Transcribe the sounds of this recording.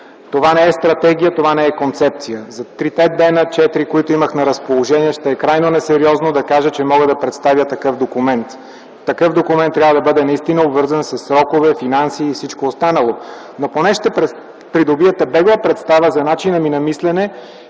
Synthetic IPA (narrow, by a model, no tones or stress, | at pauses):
t̪ovanɛɛst̪ɾɐt̪ɛɡʲijət̪ovanɛɛkont̪sɛp̚t̪sijəzɐt̪ɾit̪ɛd̪d̪ɛnət͡ʃɛt̪iɾikoit̪ʊiməxnɐɾɐspolˠoʒɛniɛʃt̪ɛːkɾajnonɛsɛɾiɔznod̪ɐkaʒət͡ʃɛmɔɡəd̪ɐpɾɛt̪st̪avʲjət̪ɐkɤfd̪okumɛnt̪ː | ɐkɤfd̪okumɛnt̪ːɾʲavəd̪ɐbɤd̪ɛnɐist̪inəobvɤɾzɐnsɐsːɾɔkovɛfinansiːfsit͡ʃkoːst̪anəlˠo | noponɛʃt̪ɛpɾɛ | pɾid̪obiət̪ɛbɛɡlˠəpɾɛt̪st̪avəzɐnat͡ʃinəminɐmislɛnɛ